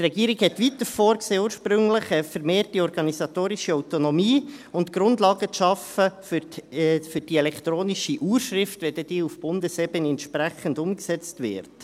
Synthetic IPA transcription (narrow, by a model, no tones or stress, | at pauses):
trɛɡiːəɾiɡhɛtʋitəfoːɾkseːuːɾʃpɾʏŋləχəfɛɾmeːrtiɔɾɡ̥ɑnisɑt̪oːɾiʃiɔʊtonɔmiːʊntɡ̥ɾʊndlɑːɡət͡sʃɑfəf | fʏɾd̥iɛlɛkʰtɾoːniʃiʔuːɾʃɾɪftʋɛldɛd̥iːufb̥ʊndəsɛbənɛntʃpɾæχəndʊmksɛt͡stʋɪ̰ɾt